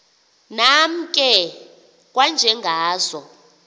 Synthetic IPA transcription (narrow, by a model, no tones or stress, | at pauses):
nam̩kʼɛ | kʼwand͡ʒʱɛŋɡʱaːzɔ